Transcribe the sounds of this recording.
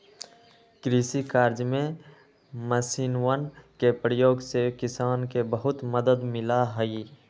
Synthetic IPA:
kɾiːsikaːɾd͡ʒmẽ | məsiːnwənkepɾəjoːɡsekɪsaːnkebəɦʊt̪məd̪əd̪mɪlaɦəi

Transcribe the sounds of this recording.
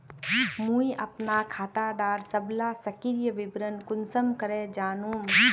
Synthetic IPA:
mũːiʔɐpnaːkʰaːt̪aːɖaːɾsɐblaːsɐkiɾjəʋɪbɾənkʊnsəmkɐɾeːd͡ʒaːnũːm

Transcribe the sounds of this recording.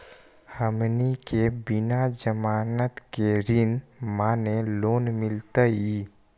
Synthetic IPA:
həmnikebɪnad͡ʒəmaːnət̪keɾɪnmaːneloːnmɪlt̪əi

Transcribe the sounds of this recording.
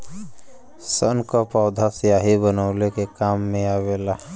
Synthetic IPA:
sənkopaːd̪ʱasjaːɦibənaʊlekekaːmːẽaːweːlaː

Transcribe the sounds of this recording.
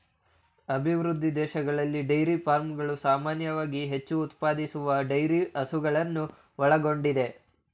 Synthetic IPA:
ɐbʱiʋɾud̪ʱːid̪ɛːʃɐɡɐɭɐlːiɖɐjɾipaːɾmɡɐɭusaːmaːnjɐʋaːɡiɦe̞t͡ʃːuːt̪paːd̪isuʋɐɖɐjɾiʔɐsuɡɐɭɐnːu | ʋɔɭɐɡo̞ɳɖid̪e̞

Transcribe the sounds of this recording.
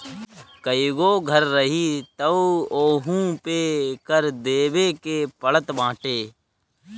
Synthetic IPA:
kəiɡoːɡʱəɾːəɦit̪əoːɦũpekəɾd̪eːbekepəɭət̪bãːʈeː

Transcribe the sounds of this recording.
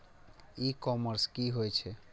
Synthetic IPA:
ikɔməɾskiɦojt͡ʃʰɛ

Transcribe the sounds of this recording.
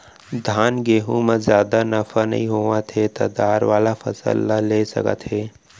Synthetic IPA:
d̪ʱaːnɡeːɦũməzjaːd̪anɐfanɐ̰ɦĩɦoːʋãt̪ʰet̪ɐ̰d̪aːɾʋaːlafʰɐ̰sə̰lːaleːsɐ̰kə̰t̪ɦeː

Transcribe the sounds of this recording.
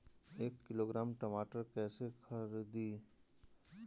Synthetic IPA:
eːkːɪloːɡɾaːmʈɐmaːʈəɾkɛːsekʰɐɾid̪i

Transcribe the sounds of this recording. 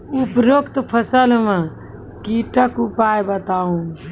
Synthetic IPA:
upɾokt̪pʰəsəlmã | kiʈəkupaːjbət̪aːũ

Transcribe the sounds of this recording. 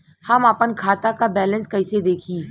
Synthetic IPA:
həmaːpənkʰaːt̪akabɛːlə̃nskɐɪsed̪eːkʰiː

